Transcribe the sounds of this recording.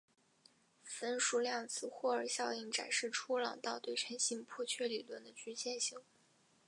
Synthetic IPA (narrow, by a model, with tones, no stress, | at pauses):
fə˥nʂu˧˥ljɑ˥˩ŋt͡sʰɹ̩˥˩xwɔ˥˩ə˞˨˧˩ɕjɑ˥˧ʊi˥˩ŋʈ͡ʂa̰˨˩nʂɻ̩˥˩ʈ͡ʂʰu˥lɑ˨˩ŋt̪ɑ˥˧ʊt̪we˥˩ɪʈ͡ʂʰɛ˧˥nɕi˥ŋpʰɔ˥˧t͡ɕʰɥɛ˥˩li˨˩lwə˥˩nd̪ə˧t͡ɕy˥t͡ɕjɛ˥˧˩nɕi˧˥˦ŋ